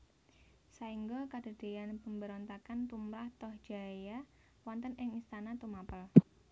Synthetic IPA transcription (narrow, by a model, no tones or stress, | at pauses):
saiŋɡɔkad̥a̤d̥e̤janpəmbəɾɔnt̪akant̪umɾaht̪ɔhd̥ʒ̥a̤ja | wɔnt̪ənɪŋist̪anat̪umapəl